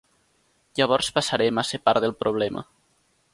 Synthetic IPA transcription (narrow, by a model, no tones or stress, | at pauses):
ʎaβ̞ɔɾspasaɾɛmasepaɾðelˠpɾʔoβ̞lɛmʔə̰